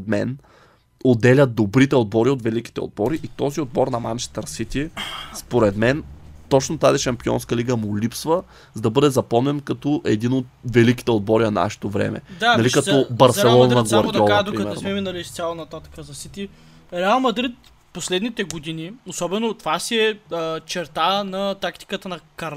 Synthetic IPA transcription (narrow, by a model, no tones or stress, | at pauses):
d̪mɛ̰n | od̪ːɛlʲɐt̪̚d̪obɾit̪ɛod̪̚bɔɾiot̪vɛliki̥t̪ɛ̰o̰d̪̚bɔɾiʔit̪ɔziod̪̚bɔɾnɐmant͡ʃɛ̥st̪ɐɾsit̪ispoɾɛd̪mɛnt̪ɔt͡ʃnot̪aziʃɐmpiɔ̰nskɐliɡəmʊlipsvə | zd̪ɐbɤd̪ɛzɐpɔmnɛnkɐt̪ɔʔɛd̪inot̪vɛliki̥t̪ɛod̪̚bɔɾinɐna̰ʃɛ̥t̪ovɾɛ̰mɛ̰d̪aɐlikɐt̪ɔbɐɾsɛllˠɔnɐɡɡˠɐɾd̪ɔad̪oɾɛsmɛminɐlist̪sʲjalˠɐnɐt̪at̪kəzɐsit̪i | ɾɛalˠmɐd̪ɾit̪ | poslɛd̪nit̪ɛɡod̪iniosɔbɛnot̪ovasiɛət͡ʃɛɾt̪anɐt̪akt̪i̥kət̪ənɐkɐɾ